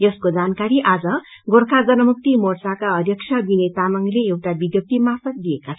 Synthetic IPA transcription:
jʌskod͡zankaɾiʔad͡zʌ | ɡorkʰad͡zʌnʌmuk̚t̪imort͡sakaʌd̪jʌk̚t͡sʰʌbinet̪amaŋileewʈabid̪jʌp̚t̪imafʌt̪̚d̪ijekat͡sʰ

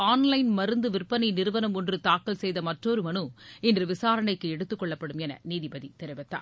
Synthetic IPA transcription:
aːnlɐɪnmɐɾɯnd̪ɯʋɪrpɐnɐɪnɪɾɯʋɐnɐmɔndrɯt̪aːkːɐlsɛjðɐmɐʈroːɾɯmɐnɯɪndrɯʋɪsaːɾɐɳɐɪkːɯɛɽɯt̪ːɯkːɔɭːɐpːɐɽɯmɛnɐ̰niːðibɐðit̪ɛɾɐʋɐt̪ːa̰ː

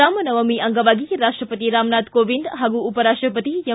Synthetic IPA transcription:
aːmɐnɐʋɐmiʔɐŋɡɐʋaːɡijɾaːʂʈɾɐpɐt̪iɾaːmnaːd̪koːʋind̪ɦɐɡuupɐɾaːʂʈɾɐpɐt̪ijɐ

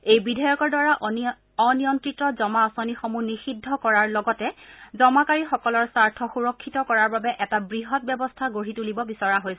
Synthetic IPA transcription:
ejbidʱɔjɔkɔɹdwaɹa | ɔnijɔntɹitɹɔzɔmaɔsonixomunixidʱːɔkɔɹaɹlɔɡɔtɛzɔmakaɹixɔkɔlɔɹsaɹtʰɔxuɹɔkʰːitɔkɔɹaɹbabɛʔɛtabɹiɦɔt̚bɛbɔstʰaɡoɹitulibɔbisɔɹaɦojsɛ

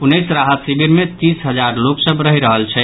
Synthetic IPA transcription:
punesɾaɦət̪sibiɾmet̪isɦəd͡ʒaɾloksəbɾəɦiɾəɦəlt͡ʃʰɛ

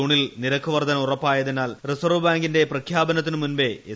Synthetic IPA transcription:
uːɳilniɾɐkʰːɐʋɐrd̪ʱɐnɐmurɐpːaːjɐðenaːlrisɐrʋɐbaːŋɡinde̞prɐkʰjaːbɐnɐt̪̬ːinɨmunbe̞e

